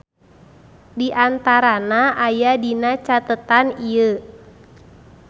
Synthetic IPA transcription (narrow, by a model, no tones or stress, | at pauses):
diʔant̪aɾanaʔajadinat͡ʃat̪ət̪aniə